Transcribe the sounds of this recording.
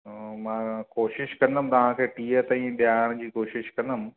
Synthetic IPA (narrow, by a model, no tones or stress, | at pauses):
mãkoːʃɪʃkɐ̃nd̪əm̃t̪ɐʋ̤ãkʰeːʈiːət̪ãĩɓjaːɽ̃d͡ʑiːkoːʃɪʃkɐ̃nd̪əmɪ̆